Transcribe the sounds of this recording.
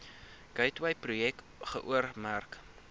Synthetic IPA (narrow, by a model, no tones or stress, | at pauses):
ɡ̥ɐjtwɐjprujɛk̚ | χəʔuərmærk